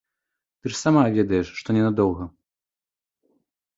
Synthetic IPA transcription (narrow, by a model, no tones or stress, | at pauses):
t̪ɨʂsamavʲɛd̪ɐjɛʂːt̪ɔnʲɛnad̪ɔwɣɐ